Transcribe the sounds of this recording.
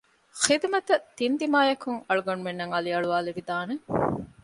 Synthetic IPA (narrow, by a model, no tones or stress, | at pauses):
xid̪mɐt̪ɐt̪ind̪imaːjɐkuŋɐɭuɡɐnumenːɐŋɐliɐɭuʋaːleʋid̪aːne